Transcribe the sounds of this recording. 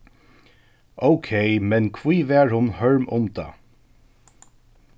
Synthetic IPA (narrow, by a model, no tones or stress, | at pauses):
oʊkʰeɪmɛnkʰviːvɛːɹhʊnhœɹmʊmd̪ɑ̰ː